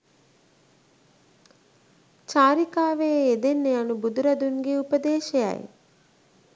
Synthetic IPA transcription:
t͡ʃaːɾikaːʋeed̪enːeanubud̪uɾɐd̪uŋɡeupəd̪eːʃeja̰j̰

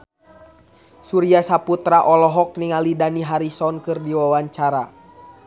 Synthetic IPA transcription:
suɾiasaput̪ɾaʔɔlɔɦɔk̚niŋalidaniɦaɾisɔnkɨrdiwawaɲt͡ʃaɾa

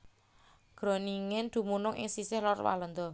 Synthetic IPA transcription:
ɡ̥ɾo̤niŋɪnd̪̥ṳmunʊŋʔɪ̰ŋsisɪhlɔrwa̰lɔnd̪ɔ

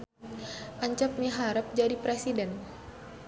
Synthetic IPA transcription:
ʔaɲt͡ʃap̚miɦaɾəp̚d͡ʒadipɾesidɛn

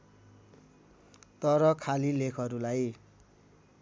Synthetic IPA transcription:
t̪ʌɾʌkʰalilekʰʌɾulaj

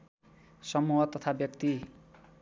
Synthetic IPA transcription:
sʌmuɦʌt̪ʌt̪ʰabjʌkt̪i

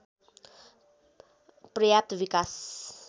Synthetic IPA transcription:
pɾiat̪vikas

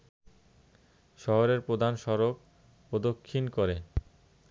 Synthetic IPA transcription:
ʃɔɦoɾeɾpɾod̪ʱanʃɔɾok | pɾod̪okʰːinkoɾe

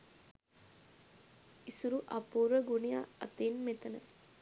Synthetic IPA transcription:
isuɾuʔɐpːuɾɐɡunijaɐ̰t̪ːenmet̪ɐnɐ

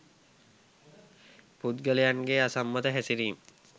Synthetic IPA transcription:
pud̪ɡəlejaŋɡeasamːət̪əɦæsiɾiːm

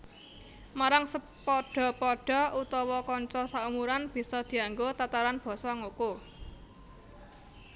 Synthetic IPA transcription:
maɾaŋsə | pɔɖ̥ɔ̤pɔɖ̥ɔ̤ut̪ɔwɔkɔɲt͡ʃɔsaumuɾanb̥i̤sɔd̪̥i̤aŋɡot̪at̪aɾanb̥ɔ̤sɔŋoko

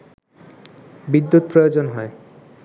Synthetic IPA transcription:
bid̪ːut̪̚pɾojod͡ʑonɦɔe

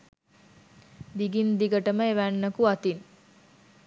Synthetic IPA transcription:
d̪iɡind̪iɡəʈəməeʋænːəkuat̪in

